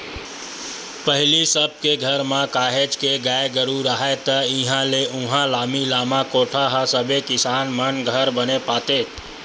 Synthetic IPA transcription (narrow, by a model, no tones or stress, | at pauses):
pəɦlisəb̚keɡʱəɾmãkaːɦed͡ʒkeɡajeɡəɾuɾaɦat̪əĩɦãleʔũɦãlamilamãkoʈʰaɦəsəbekɪsaːnmənɡʱəɾbənepat̪et̪